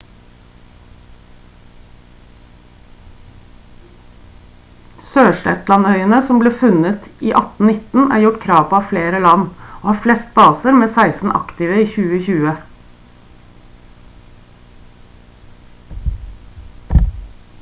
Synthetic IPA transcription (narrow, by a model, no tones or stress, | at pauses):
søːʂɛ̰t̪lɑnœʏənəsɔmbliːfʉnət̪iːʔɑt̪n̩nɪt̪n̩æ̰ːɾjʊʈkʰɾɑːʋpʰoːɑːfleːɾəlɑnoːhɑːflɛst̪̚bɑːsəɾmeːsæɪsn̩ʔɑ̰kt̪ɪʋəiːçʉːəçʉːə